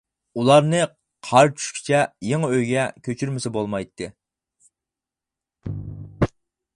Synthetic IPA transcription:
ulˠɑɾnɨ | qʰɑɾt͡ʃʰy̥ʃkʲʰi̥t͡ʃʰɛjeŋəøjɡʲɛkʲʰøt͡ʃʰyɾmɪsɪbolˠmɑjt̪ʰːɨ

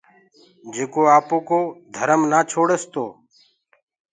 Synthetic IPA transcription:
d͡ʒeːkoːaːpoːkoːd̪ʱəɾəmnaːt͡ʃʰoːɽəst̪oː

